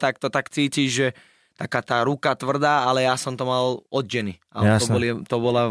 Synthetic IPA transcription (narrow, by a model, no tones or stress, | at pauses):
t̪akt̪ɔt̪akt͡siːciʒʒɛ | t̪akaːt̪aːɾukat̪ʋr̩d̪aːalɛjasɔmt̪ɔmalɔd̪̚ɟɛni | aɔɔlit̪ɔbɔla